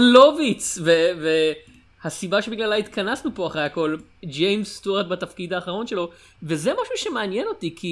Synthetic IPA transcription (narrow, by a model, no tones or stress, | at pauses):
lovit͡sveve | hasibaʃebiɡlalait̪kʰanasnupo̞aχejako̞ld͡ʒejmsːt̪uat̪̚bat̪ɐfkid̪haːχaʁ̞o̞nʃe̞lo̞ | ve̞zemaʃuʃe̞meanjeno̞t̪ikʰi